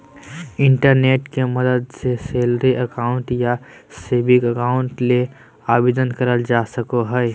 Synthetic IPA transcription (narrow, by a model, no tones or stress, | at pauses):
ɪɳʈəɾneːʈkeməd̪əd̪seseːlɾeʔəkaːʊ̃ɳʈja | seːbɪkəkaʊ̃ɳʈle | aːbeːd̪ənkəɾəld͡ʒasəkoɦəj